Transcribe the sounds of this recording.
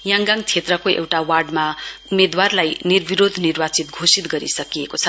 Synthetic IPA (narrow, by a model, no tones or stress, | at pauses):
jãŋɡaŋt͡sʰet̪rʌkoʔḛwʈawarɖmaumed̪warlajnirbiɾod̪ʱnirbat͡sit̪ɡʱosit̪ɡʌɾisʌkijekot͡sʰʌ